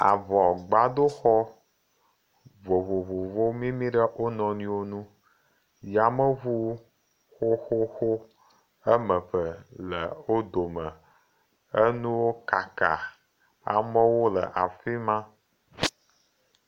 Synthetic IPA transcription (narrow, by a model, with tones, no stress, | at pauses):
a̰˨vɔ˨ɡ͡ba˨d̪o˦xɔ˦ | vo˨vo˨vo˨vo˦mĩ˦mĩ˦ɖə˦ʔo˦nɔ̃˨nĩ˦wo˦nũ˦ | ja˨mə˦βu˦ | xo˦xo˦xo˦ | ə˦mə̃˨ɸə˨lə˨wo˦d̪o˨mə̃˨ | ə˦nũ˦wo˦ka˨ka̰˨ | a̰˨mə˦wo˦lə̰˨ʔa˨fi˦mã˦